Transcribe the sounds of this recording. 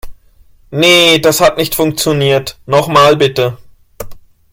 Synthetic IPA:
nədashatnɪçtfʊŋk̚t͡sjoniːɐtnɔχmaːlbɪtə

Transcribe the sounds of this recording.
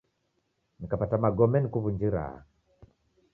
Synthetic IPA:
nikapatamaɡɔmɛnikuβund͡ʒiɾa̰a̰

